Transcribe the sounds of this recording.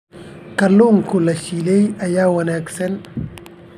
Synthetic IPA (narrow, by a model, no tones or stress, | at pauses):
kɐluŋkulɐʃilejɐjawɐnɛksɛn